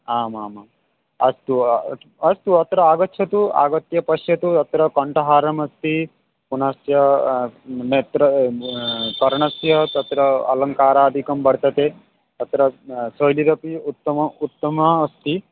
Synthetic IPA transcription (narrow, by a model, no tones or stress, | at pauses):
aːmaːmaːm | ɐst̪u | ɐst̪uɐt̪ɾɐaːɡɐtːʃʰɐt̪ua̰ːɡɐt̪jɐpɐʃjɐt̪ut̪ɐt̪ɾɐkɐɳʈɐɦaːɾɐmɐst̪i | punɐsjɐ | meːt̪ɾɐ | kɐɾɐɳɐsjɐt̪ɐt̪ɾɐɐ̰lɐŋkaːɾaːɐd̪ʱikɐmbɐɽt̪ɐt̪e | t̪ɐt̪ɾɐsoːjliɾɐpiut̪ːɐut̪ːɐmɐːst̪i